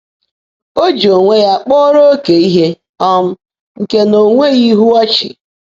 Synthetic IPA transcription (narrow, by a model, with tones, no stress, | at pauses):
o˦d͡ʒo˨ŋʷe˦ja˦˨k͡pɔ˦ɾo˦o˦ke˨i˦ɦe˦ | ɔ˦m̩˦ | ŋ̩˨ke˦no˨ŋʷe˦ɣi˦ɦu˦a˦t͡ʃḭ˨